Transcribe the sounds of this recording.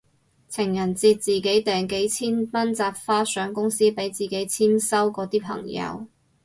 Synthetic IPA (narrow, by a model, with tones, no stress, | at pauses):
t͡sʰɪ˨˩ŋjɐ˨˩nt͡siː˧t̚t͡siː˨ke˨˥jt̪ɛː˨˩ŋke˨˥jt͡sʰiː˥npɐ˥nt͡saː˧p̚faː˥sœː˨˥ŋkʊ˥ŋsiː˥pe˨˥jt͡siː˨ke˨˥jt͡sʰiː˥msɐ˥wkɔː˨˧t̪iː˥pʰɐ̰˨˩ŋjɐ̰˨˧w